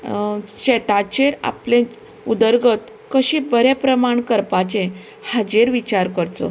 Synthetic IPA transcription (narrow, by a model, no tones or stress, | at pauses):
ɕɛt̪at͡ɕeɾa̰plẽ | ud̪əɾɡət̪ | kəɕibəɾepɾəmaɳkəɾpat͡ɕẽ | had͡ʑeɾʋit͡ɕaɾkəɾt͡so̰